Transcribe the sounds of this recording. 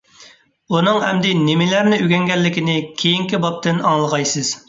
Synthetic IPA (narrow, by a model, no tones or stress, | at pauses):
unɨŋhɛmd̪ɪnɪmɪlæɾnɪyɡʲɛŋɡʲɛlːɪkʲinɪkʲʰejiŋkʲibɑp̚t̪ɪnɑŋlˠəʁɑjsɨz̥